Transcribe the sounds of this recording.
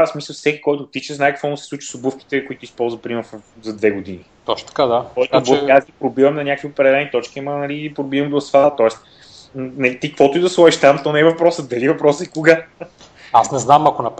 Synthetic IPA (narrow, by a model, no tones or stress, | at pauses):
asmisəlˠfsɛkʲi̥kɔjt̪ʊt̪it͡ʃəznaɛkɐkvɔmusɛ̥sˠut͡ʃi̥sobufk̟i̥t̪ɛkoit̪ʊispɔlˠzvəpɾimɛɾzɐd̪vɛɡʊd̪init̪ɔʃt̪ɐ̥kad̪aɔk̪bazɡipɾobivɐmnɐnʲakəkviopɾɛd̪ɛlɛnit̪ɔt͡ʃkʲiɐmɐnɐlipɾobivɐmd̪osfaɐt̪ɔɛst̪ | nɐit̪ikəkvɔt̪ʊid̪ɐslˠɔiʃt̪amt̪ɔnɛɛvɐpɾɔsəd̪ɐlivɐpɾɔsɛkoɡa | asnɛznamɐkonɐp